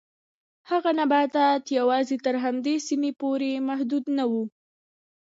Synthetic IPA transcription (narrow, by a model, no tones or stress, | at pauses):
haɣanabɑt̪at̪jawɑzet̪əɾɦamd̪esimepoɾemahd̪ud̪nawu